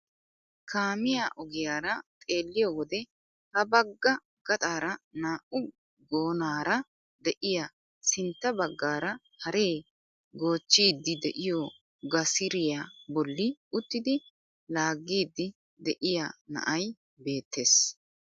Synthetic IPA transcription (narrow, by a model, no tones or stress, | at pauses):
kʰaːmɪjaʔɔɡɪjaːɾɐt̪ʼe̞ːlːɪjɔwɔd̪ɛ | hɐbɐɡːɐ | ɡ̥ɐt̪ʼaːɾɐnaːʔʊ | ɡoːnaːɾɐ | d̪ɛʔɪja | sɪnt̪ːɐbɐɡːaːɾɐ | hɐɾe̞ː | ɡo̞ːt͡ʃːiːd̪ːɪd̪ɛ̰ʔɪjɔ | ɡɐsɪɾɪjabɔlːɪʊt̪ːɪd̪ɪ | laːɡːiːd̪ːɪ | d̪ɛʔɪjanɐ̰ʔɐj | be̞ːt̪ːe̞ːs